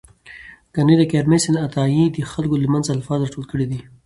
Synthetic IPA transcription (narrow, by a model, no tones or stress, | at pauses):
ɡ̥aniɾakeɾmesɪnat̪ɑjid̪əxalkoləmanzalfɑzɾɑʈolkəɽid̪i